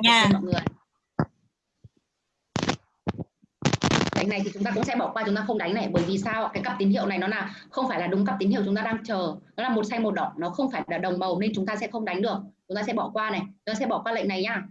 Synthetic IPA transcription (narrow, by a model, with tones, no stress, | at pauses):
aː˨˩˧mɔ̰˧˨jŋɨ˨˩əj | la˨ŋ̟na˨˩jt̪ʰi˨˩t͡ɕʊ˨˦ŋ͡mt̪aː˧kʊ̰˧˥ŋ͡msɛ̰˧˥ɓɔ˧˩kwaː˧t͡ɕʊ˨˦ŋ͡mt̪aː˧xə˧wŋ͡mɗa˨˦ŋna˨˩jɓəː˧˩jvi˨˩saː˧wkaː˨˦jkə˦˥p̚t̪i˨˦nhḭ˧əwna˨˩jnɔ˨˦laː˨˩xə˧wŋ͡mfaː˧˩jla˨˩ɗʊ˨˦ŋ͡mkə˦˥p̪̚i˨˦ni˧˨t͡ɕʊ˨˦ŋ͡mt̪aː˧ɗaː˧ŋt͡ɕəː˨˩nɔ˨˦laː˨˩mo˨˩t̚sa˧jmo˨˩t̚ɗɔ̰˧˨nnɔ˨˦xə˧wŋ͡mfaː˧˩jllaː˨˩ɗə˨˩wŋ͡mmə˨˩wne˧nt͡ɕʊ˨˦ŋ͡mt̪aː˧sɛ̰˧˥xə˧ŋ͡mɗa˨˦jŋ̟ɗɨ˨˩ək̚t͡ɕʊ˨˦ŋ͡mt̪aː˧sɛ̰˧˥ɓɔ˧˩kwaː˧na˨˩t͡ɕʊ˧˦t̪aː˧sɛ̰˧˥ɓɔ˧˩kwaː˧lə̰˧˨ŋ̟na˨˩jɲaː˧˩